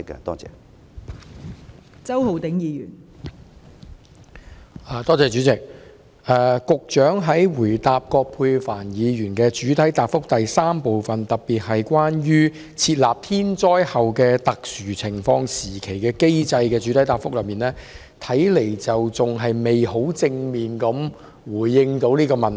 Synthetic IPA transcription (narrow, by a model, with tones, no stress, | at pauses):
kːɛ̰˧t̪ɔ̰ː˥t͡sɛ̰ː˧ | t͡sɐ˥who˨wt̪ɪ˨˥ŋjiː˨˧jyː˨˩n | ʔaː˨t̪ɔː˥t͡sɛː˨˧t͡ʃyː˨˥t͡sɪ˨k̚ | ʔɛː˨˧kʊ˨k̚t͡ʃœː˨˥ŋɦɐ˨˥jwuː˨˩jt̪aː˧p̚kɔː˧k̚pʰuː˧jfaː˨˩njiː˨˧ɥyː˨˩nkɛː˧t͡ʃyː˨˥t̪ʰɐ˨˥jt̪aː˨pfʊ˥k̚t̪ɐ˨jsaː˥mpo˨wfɐ˨˩nt̪ɐ˨p̚pːiː˨t̚ɦɐ˨jkʷwaː˥njyː˥ | t͡sʰiː˧t̚laː˨p̚t̪ʰiː˥nt͡ʃɔː˥jhɐ˨wkɛː˧t̪ɐ˨k̚syː˨˩t͡sʰɪ˨˩ŋfɔː˧ŋsiː˨˩kʰe˨˩jkɛː˧ke˥jt͡sɐ˧jkɛː˧t͡ʃy˨˥t̪ʰɐ˨˥jt̪aː˨˩fʊ˥k̚lɐ˨˧miː˨nɛː˥ | t̪ʰɐ˨˥jle˨˩jt͡sɐ˨wt͡sʊ˨ŋɦɐ˨jme˨jho˨˥wt͡sɪ˧ŋmiː˨nkɐ˨˥m | wuː˨˩jːɪ˧ŋt̪o˨˥wliː˥kɔː˧mɐ˨n˩